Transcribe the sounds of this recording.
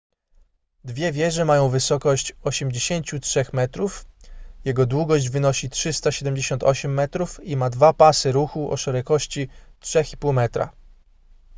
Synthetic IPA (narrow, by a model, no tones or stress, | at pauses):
d̪vʲjɛvʲjɛʐɛmajɔ̃w̃vɘsɔkɔɕt͡ɕɔɕɛmd͡ʑeɕeɲt͡ɕutʂɛxmɛt̪ɾufjɛɡɔd̪wuɡɔɕd͡ʑvɘnɔɕitʂɘst̪aɕɛd̪ɛmd͡ʑeɕɔnt̪ɔ̰ɕɛmːɛt̪ɾufimad̪vapasɘɾuxuʔɔ̰ʂɛɾɛkɔɕt͡ɕitʂɛxipuwmɛt̪ɾa̰